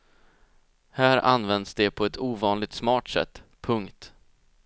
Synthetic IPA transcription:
hæːɾa̰nvɛnd̪sd̪ɛpʰɔɛt̪uːvɑːnlɪɡ̚t̪smɑːʈsɛ̰t̪ːpʰɵŋkt̪

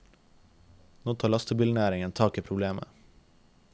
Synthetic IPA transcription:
noːt̪ʰɑːlɑst̪ʰəbɪlnæːɾɪŋənt̪ʰɑːkiːpʰɾʊbleːmə̰

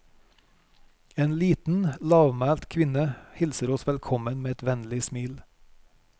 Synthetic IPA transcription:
eːnliːt̪n̩lɑːʋmæːlt̪kʰʋɪnəhɪlsəɾɔsʋɛlkʰɔmənmeːɛt̪ʋɛnlɪsmiːl

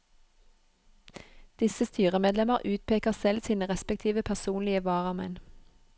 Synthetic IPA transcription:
d̪̥ɪsəst̪yːʁəmeːd̪lɛməʁʔʉːt̪̚pʰeːkəʁsɛlsiːnəʁɛspɛk̚t̪ʰiːʋəpʰæʁsuːnlɪəʋɑːʁəmɛ̰n

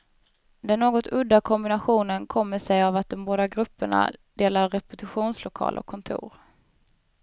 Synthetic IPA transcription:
d̪ɛnːoːɡɔt̪ɵd̪ːakʰɔmbɪnaɧuːnənkʰɔmːəʂɛjavat̪̚d̪ɔmboːd̪aɡɾɵpːəɳa̰d̪̥eːlaɾɾɛpɵt̪ʰɵɧuːnslʊkʰɑ̰ːlʔɔ̰kʰːɔnt̪ʰṵːɾ

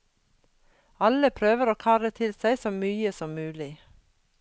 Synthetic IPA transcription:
ɑləpʰɾøːʋəɾoːkʰɑːɾət̪ʰɪlsæɪsoːmyːəsɔmmʉːlɪ

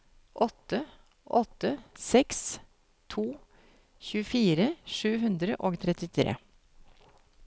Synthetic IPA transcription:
ʔɔt̪ːə | ʔɔt̪ːəsɛks | t̪ʰuː | çʉːəfiːɾəʂʉːɦʉnd̪ɾəʔoːɡt̪ʰɾɛt̪ɪt̪ʰɾḛː

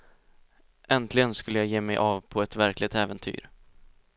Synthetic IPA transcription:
ʔɛnt̪ʰlɪɡənskɵlːəjɑːjeːmɛjʔɑːvpʰɔɛt̪væɾklɪt̪ɛːvənt̪ʰy̰ːɾ

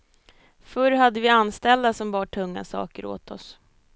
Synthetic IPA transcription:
fɵɾɦad̪ːəvɪanst̪ɛld̪asɔmbɑːʈʰɵŋːa̰sɑ̰ːkəɾo̰ːt̪ʰɔs

